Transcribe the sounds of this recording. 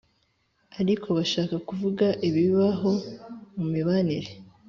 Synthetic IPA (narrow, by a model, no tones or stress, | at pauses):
aɾikʰo̞βaʃaːkakuvuɡaʔiβiβaɦo̞mumiβaniɾe